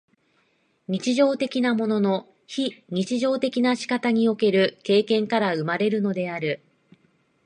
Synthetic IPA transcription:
ɲ̟it͡ɕiʑo̞ːt̪e̞kʲinamo̞no̞no̞ | çiɲ̟it͡ɕiʑo̞ːt̪e̞kʲinaɕi̥kat̪aɲ̟io̞ke̞ɾɯ̟ke̞ːkẽ̞ŋkaɾaɯ̟maɾe̞ɾɯ̟no̞d̪e̞aɾɯ̟

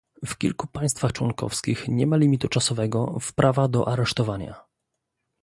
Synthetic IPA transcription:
fkʲḭlkupaj̃st̪faxt͡ʂwɔŋkɔ̰fskʲixɲɛmalʲimʲit̪ut͡ʂasɔvɛɡɔfpɾʔavad̪ɔʔaɾɛʂt̪ɔvaɲa̰

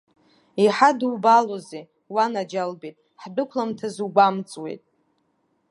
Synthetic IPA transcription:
iħadwbaloze | wanad͡ʒalbetʼ | ħdɨkʷʰlamtʰazuɡʷamt͡sʼwe̞̰jtʼ

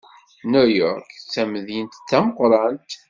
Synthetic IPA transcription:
nujɔɾkt͡sːæmðjənt̪θːæməqɾˤɑnt̪

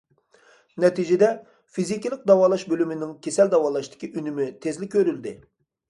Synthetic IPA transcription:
nɛt̪ʰid͡ʒed̪ɛ | fizikʲilˠɪk̚ʲd̪ɑwɑːlˠɑʃbølymɪnɪŋkʲʰesɛld̪ɑwɑːlˠɑʃt̪ɪ̥kʲʰiʔynymɪt̪ʰezlɪkʲʰːøɾyld̪ɪ

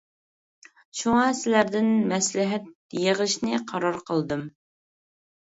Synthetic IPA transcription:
ʃuŋɑsɪlæɾd̪ɪnmɛslɪɦɛt̪̚jəʁəʃnɨqʰɑɾɑɾqʰəlˠd̪ɨm

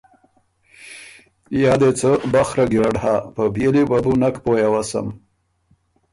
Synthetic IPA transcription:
jɑd̪et͡səbaxɾaɡiɾaɽhapəbjelibabunakpojawasa̰m

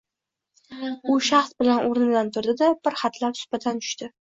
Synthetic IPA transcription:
ʊʃɑχsbɪlanʔoɾnɪd̪ant̪ʰʊɾd̪ɪd̪ab̥ɪɾχat̪ʰlapsʊ̥bat̪ʰant̪ʰʊ̥ʃt̪ɪ

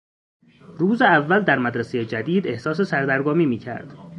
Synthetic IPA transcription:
ɾuːzeævːæld̪æɾmæd̪ɾæsejed͡ʒæd̪iːd̪e̞hsɒːse̞sæɾd̪æɾɡɒːmiːmiːcʰæ̰ɾd̪̥

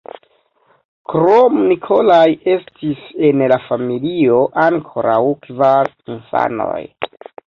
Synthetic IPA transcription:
kɾomnikʰo̞laje̞stise̞nlafamilio̞ʔaŋkʰo̞ɾawkvaɾ | infa̰no̞̰j

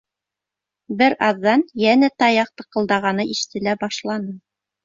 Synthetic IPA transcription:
bɘɾɑðːɑnjænæt̪ɑjɑq̚t̪ɤ̆qɤ̆lˠd̪ɑʁɑnɤiʃɘ̥̆t̪ɘ̆læbɑʃlˠɑnɤ

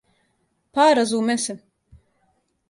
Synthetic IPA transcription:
paːɾazuːmɛsim

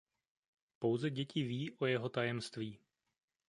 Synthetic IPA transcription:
po̞wzɛɟɛcɪviːʔo̞jɛɦo̞t̪ajɛmst̪viː

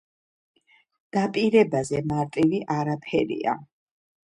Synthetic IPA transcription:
d̪̥apʼiɾɛbazɛmaɾt̪ʼiviʔaɾapʰɛɾḭa̰

